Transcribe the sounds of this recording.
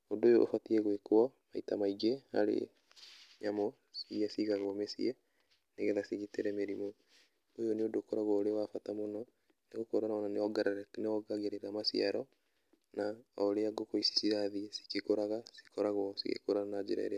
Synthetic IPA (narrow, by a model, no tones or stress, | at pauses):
odojoʔːfatiɛɣwekoamaitamaiɡeaɾḛ | ɲamɔ | siasiɣaɣɔmesiɛ | neɣɛðasiɣiteɾɛmeɾimɔ | ojoneodokɔɾaɣwɔoɾewafatamonɔ | neɣokoɾanaɔnaneɔɡaɾaɛtneɔɡaɣeɾeɾamasiaɾɔ | naɔɾeaɡokoisi̥siaðiɛsi̥kekoɾaɣasi̥kɔɾaɣwɔsḭɣḛkoɾanad͡ʒḛɾa̰ḛɾea